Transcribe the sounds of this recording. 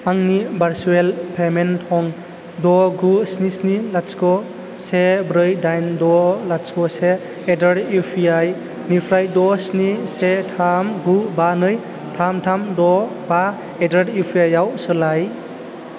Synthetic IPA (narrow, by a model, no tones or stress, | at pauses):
aŋnibaɾsuelpʰementʰɔŋ | dɔɡusnisnilatskɔ | sebɾɯjdajndɔlaskɔseː | daɾɾipʰiaj | nipʰɾajdɔsnisetʰamɡubanɯj | tʰamtʰamdɔ | ba | edaɾdipʰjajawsɯlaj